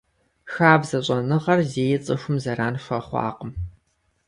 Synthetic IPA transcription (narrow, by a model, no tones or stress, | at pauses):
xaːbzɐɕʼɐnɨʁɐrzeːjɛt͡sʼɨxʷʊmzɐraːnʃʷɐχʷɑ̰ːqəm